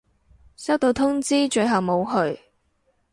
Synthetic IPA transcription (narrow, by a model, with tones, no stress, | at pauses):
sɐ˥wt̪o˧wt̪ʰʊ˥ŋt͡siː˥t͡ʃɵ˧ɥɦɐ˨wmo˨˧wɦɵ˧ɥ